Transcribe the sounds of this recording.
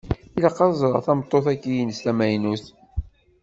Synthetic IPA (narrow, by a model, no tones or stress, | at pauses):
ilɑqːɑzˤɾˤɑʁθɑmt̪ˤːoθækːijənst̪æmæjnuθ